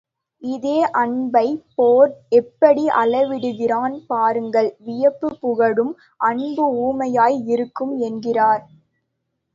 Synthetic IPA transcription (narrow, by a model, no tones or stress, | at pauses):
ɪðeːʔɐɳbɐɪpoːɾɛpːɐɽiʔɐlɐʋɪɽɯɣɪraːnpaːɾɯŋɡɐɭʋɪjɐpːɯpːʊɣɐɽɯm | ʔɐɳbɯuːmɐjaːjɪɾɯkːɯmɛnɡɪraːɾ